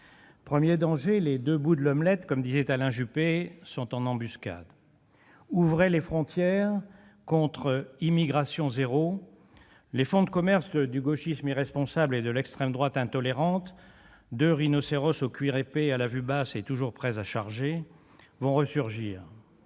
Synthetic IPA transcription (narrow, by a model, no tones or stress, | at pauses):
pχəmjed̪ɑ̃ʒeled̪øbud̪əlɔmlɛt̪kɔmd̪izɛt̪alɛ̃ʒypesɔ̃t̪ɑ̃nɑ̃byska̰d̪ | uvʁelefχɔ̃t̪jɛʁ | kɔ̃t̪χəimiɡʁasjɔ̃zeʁo | lefɔ̃d̪əkɔmɛʁsd̪yɡoʃismiʁɛspɔ̃sabled̪əlɛkst̪χɛmd̪ʁwat̪ɛ̃t̪ɔleʁɑ̃t̪ | d̪øʁinɔseʁɔsokɥiʁepealavybaset̪uʒuʁpχɛzaʃaʁʒe | vɔ̃ʁəsyʁʒiːʁ